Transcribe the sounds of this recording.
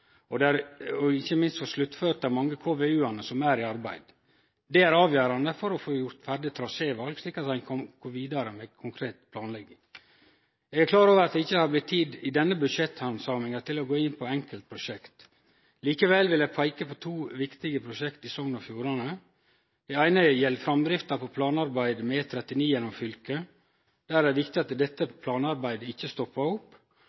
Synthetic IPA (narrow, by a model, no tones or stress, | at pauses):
ɔd̪æɾɔɪçəmɪnst̪foːʂlʉt̪ːføːɾt̪ɑmɑŋːəkʰoːʋeʉːɑnəsɔmæɾɪɑɾbæ̰ɪd̪̥ | d̪ɛæɾɑːʋjøːɾɑnd̪əfɔɾɔfoːjʊɾt̪fæɾɖɪt̪ʰɾɑseːʋɑlɡsliːkɑt̪ɑnkʰɔmɡ̥oʋiːd̪ɑɾəmɛkʰʊŋkʰɾeːt̪pʰlɑːnlɛɡːɪŋ | jɛɡæɾkʰlɑːɾoːʋəɾɑt̪̚d̪ɛɪçːəhɑblɪt̪ʰːiːd̪ɪd̪ɛnːəbʉd̪ʂɛt̪hɑnsɑːmɪŋət̪ʰɪlɔɡoːɪnːpʰɔɛŋkəlt̪̚pʰɾʊʃɛkt̪ | liːkəʋɛlʋɪljæpʰɑɪkəpʰɔt̪ʰuːʋɪkt̪ɪɡəpʰɾʊʃɛkt̪ɪsɔŋnɔfjuːɾɑnə | d̪̥ɛæɪnəjɛlːfɾɑmd̪ɾɪft̪ɑpʰɔpʰlɑːnɑɾbæɪd̪mɛt̪ʰːɾɛt̪ːɪniːjɛnːɔmfʏlkə | d̪̥æɾæʋɪkt̪ɪɑt̪d̪ɛt̪ːəpʰlɑːnɑɾbæɪd̪əɪçːəst̪ɔpːɑʊpː